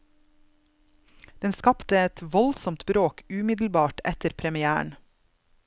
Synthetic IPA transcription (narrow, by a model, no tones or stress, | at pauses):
d̪̥ɛnskɑpt̪əɛt̪ʋɔlsɔmt̪bɾoːkʉːmɪd̪l̩bɑːʈɛt̪əɾpʰɾɛmɪæːə̰ɳ